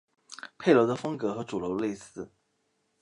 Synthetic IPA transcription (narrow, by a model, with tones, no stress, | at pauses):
pʰe˥˩ɪlo˧˥ʊd̪ə˧fɤ˥ŋkɤ˧˥xɤ˧˥ʈ͡ʂu˨˩ljo˧˥ʊle˥˧ɪsɹ̩˥˩